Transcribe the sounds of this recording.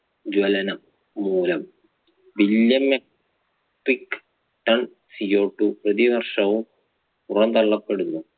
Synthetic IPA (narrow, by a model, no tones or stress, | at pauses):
d͡ʑwɐlɐnɐmː | uːlɐm | ʋiljɐmːe | ʈːikː | ʈːɐɳ | sio̞ːʈːuprɐðiʋɐrʂɐʋum | purɐnt̪ɐɭːɐpːeɽunːu